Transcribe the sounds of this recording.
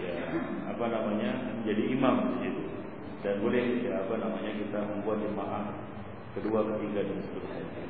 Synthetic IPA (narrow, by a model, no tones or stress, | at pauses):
jaapanamaɲaməɲd͡ʒadiːmamsad͡ʒit̪u | danbolɛhjaːpanamaɲakit̪aməmbuat̪̚d͡ʒəmaʔah | kəduakət̪iɡadaŋsə̥pət̪usad͡ʒa